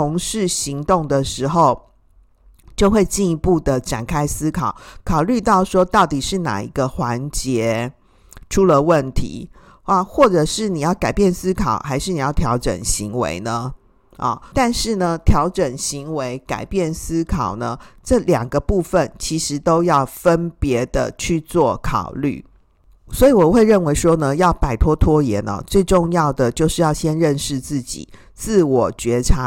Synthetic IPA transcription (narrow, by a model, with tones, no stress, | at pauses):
ʊ˧˥ŋʂɻ̩˥˩ɕi˧˥ŋt̪ʊ˥˩ŋd̪ə˨ʂɻ̩˧˥xo˨˧ʊ | t͡ɕjo˥˧ʊxwe˥˧ɪt͡ɕi˥˩ni˧˥pu˥˩d̪ə˩ʈ͡ʂa̰˨˩nkʰa˥ɪsɹ̩˥kʰɑ˨˩˦ʊkʰɑ˨˩ʊly˥˧t̪ɑ˥˩ʊʂwɔ˥t̪ɑ˥˩ʊt̪i˨˩ʂɻ̩˥˩na̰˨˩ḭ˧˥ɡə˧xwa˧˦˥nt͡ɕjɛ˧˥˦ | ʈ͡ʂʰu˥lə˨˧wə˥˩nt̪ʰḭ˧˥˦ | a˥˧xwɔ˥˩ʈ͡ʂɤ˨˩ʂɻ̩˥˩ni˨˩jɑ˥˩ʊka˨˩ɪpjɛ˥˨˩nsɹ̩˥kʰɑ̰˨˩ʊxa˧˥ɪʂɻ̩˥˩ni˨˩jɑ˥˩ʊt̪ʰjɑ˧˥ʊʈ͡ʂə̰˨˩nɕi˧˥ŋwḛ˧˥ɪnə˨ | ʔɐ̰˨˩t̪a˥˧nʂɻ̩˥˩nə˩t̪ʰjɑ˧˥ʊʈ͡ʂə˨˩nɕi˧˥ŋwe˧˥ɪka̰˨˩ɪpjɛ˥˩nsɹ̩˥kʰɑ˨˩ʊnə˦ʈ͡ʂɤ˥˩ljɑ˨˩ŋɡə˦pu˥˩fə˨nt͡ɕʰi˧˥ʂɻ̩˧˥t̪o˥ʊjɑ˥˩ʊfə˦˥npjɛ˧˥d̪ə˧t͡ɕʰy˥˧t͡swɔ˥˩kʰɑ̰˨˩ʊly̰˥˩ | swɔ˧˥i˨wɔ˨˩xwe˥˧ɪɻə˥˩nwe˧˥ɪʂwɔ˥nə˨jɑ˥˩ʊpa˨˩ɪt̪ʰwɔ˥t̪ʰwɔ˥jɛ˧˥nə̰˨˩t͡swe˥˧ɪʈ͡ʂo˥˧ŋjɑ˥˩ʊd̪ə˩t͡ɕjo˥˧ʊʂɻ̩˥˧jɑ˥˩ʊɕjɛ˥nɻə˥˧nʂɻ̩˥˧t͡sɹ̩˥˩t͡ɕḭ˨˩ | t͡sɹ̩˥˩wɔ˨˩t͡ɕɥɛ˧˥ʈ͡ʂʰa˧˦˥